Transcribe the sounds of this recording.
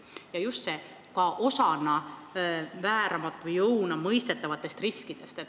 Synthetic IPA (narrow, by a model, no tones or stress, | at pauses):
jɑjust̪se | kɑʔosɑnɑ | væːɾɑmɑt̪ːˑvɯjɤwnɑmɤjst̪e̞t̪ːˑɑvɑt̪ːˑe̞st̪riskid̪̥e̞st̪et̪ːˑ